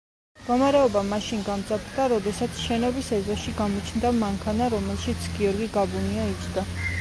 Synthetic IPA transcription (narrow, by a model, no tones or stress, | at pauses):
ɡɔmaɾɛɔbamaʃinɡamt̪sʼapʰɾd̪aɾɔd̪ɛsat̪sʰʃɛnɔbisɛzɔʃiɡamɔt͡ʃʰnd̪amaŋkʰanaɾɔmɛlˠʃit̪sʰɡiɔɾɡiɡabuniait͡ʃʰd̪a